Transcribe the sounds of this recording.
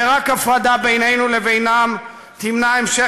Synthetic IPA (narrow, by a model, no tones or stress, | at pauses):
eʁakafʁad̪abe̞jne̞jnulevejnam | t̪imnaemʃe